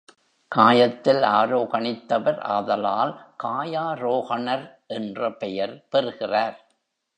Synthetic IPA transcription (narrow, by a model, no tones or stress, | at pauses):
kaːjɐt̪ːɪlaːɾoːɣɐnɪt̪ːɐʋɐɾɐ̰ðɐlaːlkaːjaːɾoːɣɐnɐɾ | ʔɛndrɐpɛjɐɾpɛɾɯɣɪraːɾ